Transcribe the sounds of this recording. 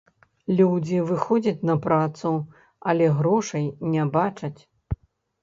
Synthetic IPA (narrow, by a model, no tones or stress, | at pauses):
lʲud͡zʲivɨxɔd͡zʲɐt͡sʲnɐpɾat̪su | ɐlʲɛɣɾɔʂɐjnʲɛbat͡ʂɐt͡sʲ